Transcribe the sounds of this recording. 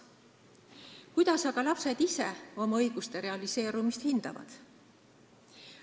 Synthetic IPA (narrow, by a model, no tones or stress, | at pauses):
kujd̪̥ɑsɑɡ̥ɑlɑpse̞d̪̥ise̞o̞mɑɤjɡ̥ust̪e̞ɾe̞ɑlise̞ːɾumist̪hind̪̥ɑ̰vɑ̰d̪̥